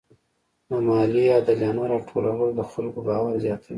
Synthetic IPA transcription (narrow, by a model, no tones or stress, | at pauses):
namɑlijɑd̪aljɑnaɾɑʈʰolawəlod̪əxalkobɑwaɾzjɑt̪ʰawi